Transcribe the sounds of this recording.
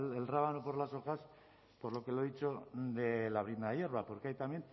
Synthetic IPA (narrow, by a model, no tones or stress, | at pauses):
elraβanopo̞ɾlaso̞xas | po̞ɾlo̞ke̞loðit͡ʃo̞d̪e̞laβ̞ɾinaje̞ɾβ̞apo̞ɾkeajt̪amje̞n